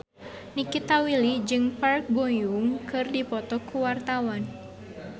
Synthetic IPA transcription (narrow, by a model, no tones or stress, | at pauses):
nikit̪awilid͡ʒɨŋpark̚bojuŋkɨrdipɔt̪ɔkuwart̪awan